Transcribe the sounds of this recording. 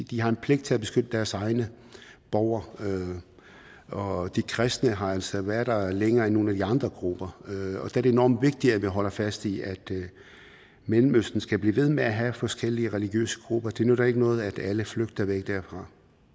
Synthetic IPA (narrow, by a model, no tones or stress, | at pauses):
d̥iɦɑ̈e̝npʰle̝ɡ̥d̥̚t͡sʰe̝æb̥e̝sɡ̥ød̥əd̥æɐsɑ̈ɪnə | b̥ɒʊ̰ɐ | ɒ̽d̥ikʰʁɛsd̥nəɦɑ̈ælsɒʋæɐd̥leŋɐːenːo̝ːnæd̥iɑ̈nd̥ʁɐɡ̥ʁub̥ɐɒ̽d̥ææɐɾee̝nɒ̰ːmd̥ʋe̝ɡ̥̚d̥iæʋiɦɒ̽l̰ɐfæsd̥iæd̥ | melm̩øsd̥n̩sɡ̥æb̥liːʋe̝ð̞̰ˠmeæɦæfɒ̽sɡ̥el̰iəʁɛliɡ̥jø̰ːsə̥ɡ̥ʁub̥ɐd̥e̝nød̥ɑe̝ɡ̥ənɔ̽ːð̩ˠæd̥æləfløɡ̥̚d̥ɐʋeɡ̥̚d̥æɐ̰fʁɑ̈